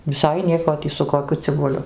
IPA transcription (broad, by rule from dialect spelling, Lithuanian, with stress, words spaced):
ʋʲɪˈsɐɪ ˈnʲiɛkoː ˈtʲiː sʊ koːˈkʲʊ t͡sʲɪbʊˈlʲʊ